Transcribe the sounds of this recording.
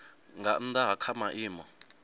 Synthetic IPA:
ŋɡan̩d̪aɦakʰamaʔiːmɔ

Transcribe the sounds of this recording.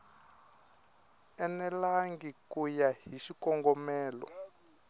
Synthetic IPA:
ɛnɛlaŋɡikujaɦisikɔŋɡɔmɛːlɔ̰

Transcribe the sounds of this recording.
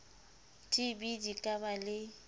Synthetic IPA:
tʼɪbidikʼabalɪ

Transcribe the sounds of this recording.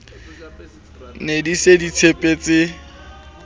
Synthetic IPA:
nedisedit͡sʰepʼet͡sʼɪ

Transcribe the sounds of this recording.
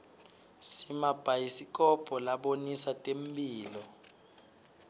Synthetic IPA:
simab̥ʱajisik̬ʼɔpʰʼɔlaɓonisatʼembʱiːlɔ

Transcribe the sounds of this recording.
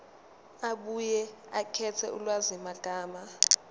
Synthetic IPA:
aɓujɛakʰɛtʰɛʔulwazimaɡ̥ʱaːma

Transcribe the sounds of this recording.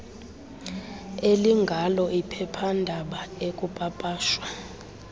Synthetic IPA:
eliŋɡʱalɔʔipʰɛpʰandʱaɓaekʼupʼapʼaːʃwa

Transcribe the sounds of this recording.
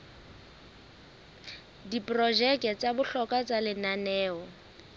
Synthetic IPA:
dipʼrɔʒɛkɛt͡sʼabʊɬɔkʼat͡sʼalɪnanɛːɔ

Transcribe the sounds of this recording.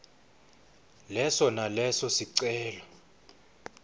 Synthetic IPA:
lɛsɔnalɛsɔsiǀɛːlɔ

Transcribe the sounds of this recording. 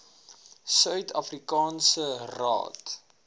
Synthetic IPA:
sœɥtʰɐ̰frikɑːnsərɑ̰ːt

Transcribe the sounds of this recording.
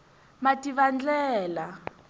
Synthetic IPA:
matiβand͡ɮɛːla

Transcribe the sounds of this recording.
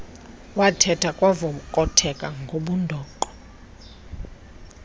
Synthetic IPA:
watʰɛtʰakʼwavomukʼɔtʰɛkʼaŋɡʱoɓundʱɔːǃɔ̥

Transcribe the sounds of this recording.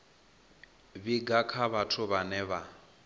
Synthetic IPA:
βiɡakʰaβatʰuβanɛβa

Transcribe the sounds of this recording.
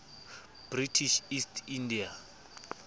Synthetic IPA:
b̥ritʰiʃistʰindia

